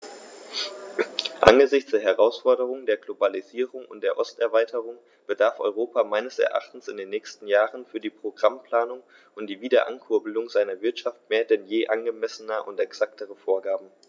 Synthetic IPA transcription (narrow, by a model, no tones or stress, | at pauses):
ʔa̰nɡəzɪçt͡sd̥eːɐɦɛʁaʊsfɔɐɾəʁ̞ʊŋdeːɐɡlobaliziːʁʊŋʊ̰ntd̥eːɐʔɔstɛɐvaɪtʰəʁʊŋ | b̥ədaɐfʔɔ̰ʏʁoːpamaɪnəsɛ̰ɐʔa̰χtn̩sɪndeːnːɛːçstn̩jaːʁənfyːɐdiːpʁ̥oɡʁampl̥aːnʊŋ | ʔʊntd̥iːviːdɐʔa̰nkʰʊɐbəl̩ʊŋzaɪnɐvɪɐtʃaft̚meːɐdɛnjeːʔanɡəmɛsənəʔʊ̰ntɛksaktʰəʁəfoːɐɡaːbm̩